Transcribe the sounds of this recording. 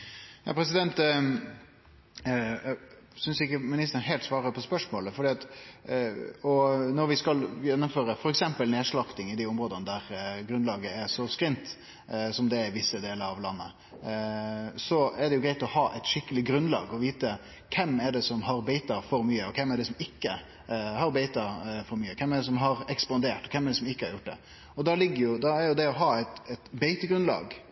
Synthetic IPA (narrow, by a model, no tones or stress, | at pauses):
jɑ̰ːpʰɾɛsɪd̪ɛnt̪ | sʏnsɪkːəmɪnɪst̪əɾənɦɛɪlt̪sʋɑːɾəpʰɔspœʂmoːləfɔɖ̪iːɑt̪ | ɔnɔɾʋɪskɑljɛnːʊmføːɾəfɔɾɛksɛmpəlneːʂɭɑkt̪ɪŋɪd̪iːʊmɾoːd̪ənəd̪æɾɡɾʉnlɑːɡəɛsɔskɾɪnt̪ | sɔmd̪ɛɛʋɪsːəd̪eːləɾɑʋlɑnːə̰ | sɔɛɖɛjʊɡɾæɪt̪ɔhɑːʔɛɪt̪ʃɪkːəlɪɡɾʉnlɑ̰ːɡɔʋiːt̪ə | kʰɛmːɛɖɛsɔmɦɑɾbeɪt̪ɑfɔɾmyːəɔkʰɛmːɛɖɛsɔmɪkːə | hɑɾbeɪt̪ɑfɔɾmyːəkʰɛmːɛɖ̪ɛsɔmɦɑɾɛkspɑnd̪eːʈɔ̥kʰɛmːɛɾd̪ɖɛsɔmɪkːəhɑɾjʊʈ̚ːd̪ɛ̰ | ɔd̪ɑlɪɡːəɾjʊd̪ɑɛɾjʊd̪ɛɔɦɑːɛɪt̪ɛt̪beɪt̪əɡɾʉnlɑ̰ːɡ